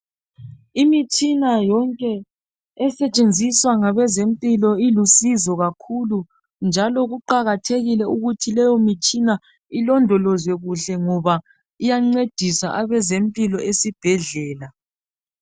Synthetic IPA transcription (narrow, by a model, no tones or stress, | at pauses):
imit͡ʃʰʼinajɔŋkʼɛ | ɛsɛt͡ʃʼend͡zʱiswaŋaβɛzempʼilɔilusizɔɣakʰulu | nd͡ʒʱalɔɣuǃaɣatʰeɣilɛuɣutʰilɛjɔmit͡ʃʼina | ilɔndʱɔlɔzwɛɣuɬɛŋɔβa | ijaŋ͡ǀed̥ʱisaʔaβɛzempʼilɔʔesib̥ʱɛɮɛːla